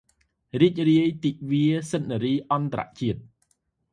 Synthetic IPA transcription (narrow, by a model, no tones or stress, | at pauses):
riːc̚riəjt̪iːʔʋiəsət̪̚neɾiːʔɑnt̪aɾa̰ʔt͡ɕiət̪̚